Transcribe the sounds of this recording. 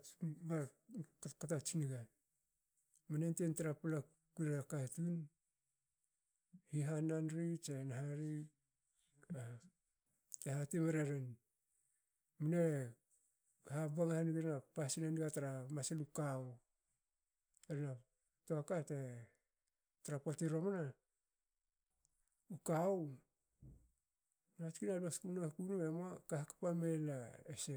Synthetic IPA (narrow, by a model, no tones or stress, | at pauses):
bakakatat͡ʃiniɡa | manententaɾapala | kuɾeɾakatun | hiɦananɾit͡ʃenaɦaɾi | a | tehatemeɾeɾen | mune | habaŋahaniɡeɾnapasinaniɡataɾamaselukaw | eɾena | toakate | taɾapotiɾo̞mana | ukaw | natkinaloskunakunuemakahakḁpame̞laese